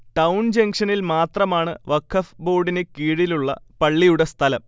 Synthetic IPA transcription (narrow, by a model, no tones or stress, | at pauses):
ʈɐwnd͡ʑɐŋɡʂɐnilmaːt̪rɐmaːɳɨ̰ʋɐkʰːɐfbo̞ːɖinekiːɻiluɭːɐ̰pɐɭːijuɽest̪ʰɐlɐm